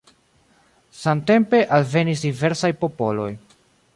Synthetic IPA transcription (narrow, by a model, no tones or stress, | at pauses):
samte̞mpe̞ʔalve̞nis̬dive̞ɾsajpo̞po̞lo̞̰j